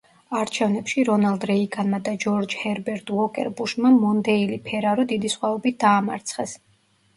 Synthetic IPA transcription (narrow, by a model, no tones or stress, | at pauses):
aɾt͡ʃʰɛvnɛpʃiɾɔnalˠd̪ɾɛikʼanmad̪ad͡ʒɔɾd͡ʒhɛɾbɛɾt̪ʼvɔkʼɛ̰ɾbuʃmamɔnd̪ɛilipʰɛɾaɾɔd̪id̪isχwaɔbit̪̚d̪aːma̰ɾt̪sʰχɛs